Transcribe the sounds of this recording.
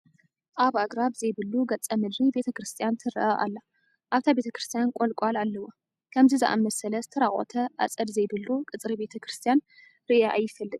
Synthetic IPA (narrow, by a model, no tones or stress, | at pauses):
ʔaβaɡɾaβzɐjbɨluɡɐt͡sʼɐmɨd̪ɾibe̞t̪ʰɐkɾɨst̪ʰijant̪ʰɨɾɐ̰ʔɐʔa̰lːa | ʔaβt̪ʰabe̞t̪ʰɐkɾɨst̪ʰijankʼolkʷʼalalːɐwo | kʰɐmzizɨʔa̰mɐsɐlɐzɨt̪ʰɐɾaχʼo̰t̪ʰɐʔa̰t͡sʼɐd̪zɐjbɨlukʼɨt͡sʼɾibe̞t̪ʰɐkɾɨst̪ʰijan | ɾiʔaʔajːɪfɐlːɨd̪